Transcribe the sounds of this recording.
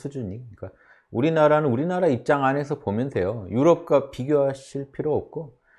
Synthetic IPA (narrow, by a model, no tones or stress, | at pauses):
sʰud͡ʑuɲik͈a | uɾinaɾanɯnuɾinaɾaip̚t͡ɕ͈aŋane̞s̬ʰʌpomjʌnsʰe̞jojuɾʌp̚k͈wapiɡjoɦaɕʰiɭpʰiɾoʌp̚k͈o